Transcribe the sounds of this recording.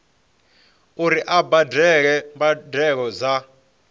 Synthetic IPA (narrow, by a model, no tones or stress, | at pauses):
uɾiʔabadʱɛk̬ɛmbadʱɛk̬ɔza